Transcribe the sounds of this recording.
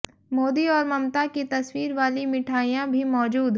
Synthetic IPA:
moːd̪iɔːɾmɐmt̪akit̪ɐswiːɾʋaːlimɪʈʰaːijãbʱimɔːd͡ʒuːd̪ɦ

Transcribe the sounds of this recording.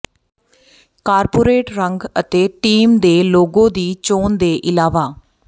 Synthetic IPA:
kaːɾpoːɾeːʈɾəŋɡət̪eːʈiːmd̪eːloːɡõːd̪iːt͡ʃoːnd̪eːʔɪlaːʋaː

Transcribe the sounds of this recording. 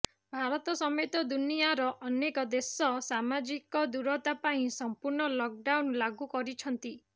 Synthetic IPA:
bʱaɾɔt̪ɔsɔmet̪ɔd̪unijaɾɔʔɔnekɔd̪esɔsamad͡ʒikɔd̪uɾɔt̪apaĩsɔmpuɾɳɔlɔk̚ɖawnlaɡukɔɾit͡ʃʰɔnt̪i

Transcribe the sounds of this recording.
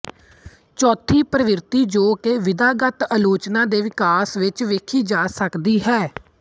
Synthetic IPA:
t͡ʃɔːt̪ʰiːpɾəʋɪɾt̪iːd͡ʒoːkeːʋɪd̪aːɡət̪əloːt͡ʃnãːd̪eːʋɪkaːsʋɪt͡ʃʋeːkʰiːd͡ʒaːsəkd̪iːɦɛː

